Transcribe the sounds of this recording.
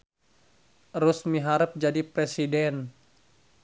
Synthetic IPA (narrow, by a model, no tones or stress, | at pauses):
ɾusmiɦaɾəp̚d͡ʒadipɾesidɛn